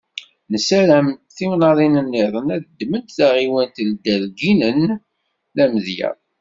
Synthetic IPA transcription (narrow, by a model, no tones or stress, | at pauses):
nəsælæmt̪θimnɑðˤinənːiðˤənæðəd̪ːmənt̪θæʁiwənt̪ld̪ælɡinən | læməðjæ̰ɾˤ